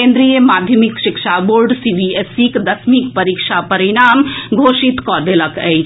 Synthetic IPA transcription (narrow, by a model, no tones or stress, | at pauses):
ẽnd̪ɾijemad̪ʱjəmikʃikʃaboɾɖsibiesikd̪əsmikpəɾikʃapəɾiɽamɡʱosit̪kɔd̪eləkə̰jt͡ʃʰ